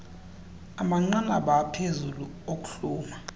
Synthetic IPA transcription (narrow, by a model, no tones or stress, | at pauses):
amaŋ͡ǀana̰ɓapʰezulu | ok̬ʼu̥ɬuːma